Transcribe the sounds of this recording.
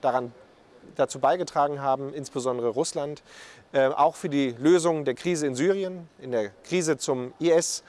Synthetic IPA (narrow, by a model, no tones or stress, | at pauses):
d̥aʁan | d̥at͡suːbaɪɡətʁ̥aːɡŋ̩ɦaːbm̩ʔɪnsb̥əzɔndəʁəʁʊslantʔɛːʔa̰ʊxfyːɐdiːløːzʊŋdeːɐkʁ̥iːzəɪnzyːʁ̞iənʔɪndeːɐkʁ̥iːzət͡sʊmiɛs